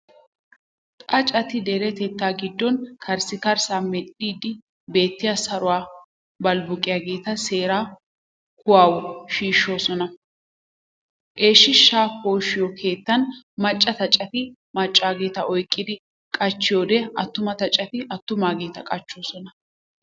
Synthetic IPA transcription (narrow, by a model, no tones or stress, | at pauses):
t̪ʼɐt͡ʃʼɐt̪ɪd̪eɾɛt̪ɛt̪ːaːɡɪd̪ːɔnkʰɐɾsɪkɐɾsaːmɛɗiːd̪ɪ | be̞ːt̪ːɪjasɐɾʊwaː | bɐlbʊkʼɪjaːɡe̞ːt̪ɐseːɾaː | kʊwaːwɔʃiːʃːo̞ːsɔnɐ | ʔe̞ːʃːɪʃːaːko̞ːʃːɪjɔkʰe̞ːt̪ːɐn | mɐt͡ʃʼːɐt̪ɐt͡ʃʼɐt̪ɪ | mɐt͡ʃʼːaːɡe̞ːt̪ɐʔɔjkʼːɪd̪ɪ | kʼɐt͡ʃːɪjo̞ːd̪ɛɐt̪ːʊmɐt̪ɐt͡ʃʼːɐt̪ɪʔɐt̪ːʊmaːɡe̞ːt̪ɐkʼɐt͡ʃːo̞ːsɔnɐ